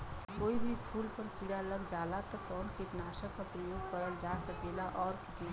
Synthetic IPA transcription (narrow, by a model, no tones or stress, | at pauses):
koːibʱipʰuːlpɐɾkʰiːɽaləɡd͡ʒaːlat̪ɔkɔːnkit̪naːʃəkapɾəjoːɡ̚pɐɽəld͡ʒaːsɐkeːlaʔɔːɾkɪt̪na